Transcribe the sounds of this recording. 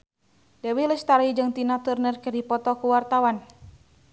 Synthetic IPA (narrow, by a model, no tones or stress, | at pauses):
dɛwilət͡ʃt̪aɾid͡ʒɨŋt̪inat̪urnərkərdipɔt̪ɔkuwart̪awan